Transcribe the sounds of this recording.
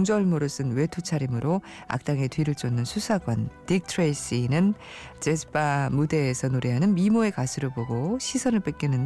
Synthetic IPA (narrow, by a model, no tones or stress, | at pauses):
ŋd͡ʑʌɭmoɾɯs͈ʰɯnwe̞tʰut͡ɕʰaɾimɯɾo | a̰k̚t͈aŋetɥiɾɯɭt͡ɕ͈ʰʌnːɯnsʰusʰaɡwʌntik̚tʰɾes͈inɯn | t͡ɕesʰɯ̥pʰamude̞ːsʰʌnoɾeɦanɯnmimoe̞kasʰɯɾɯboɡoɕʰisʰʌnɯɭp͈ek͈inɯn